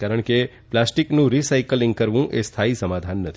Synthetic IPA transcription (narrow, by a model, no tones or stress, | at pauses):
kaɾəɳke | plasʈiknũɾisaikəlĩŋɡ̚kəɾʋũʔest̪ʰaisəmad̪ʱanːət̪ʰi̥